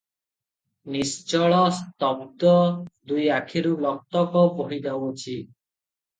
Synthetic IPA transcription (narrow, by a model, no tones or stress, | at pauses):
nist͡ʃɔɭɔst̪ɔbd̪ɔd̪ujakʰiɾulɔk̚t̪ɔkɔpɔɦid͡ʒawot͡ʃʰi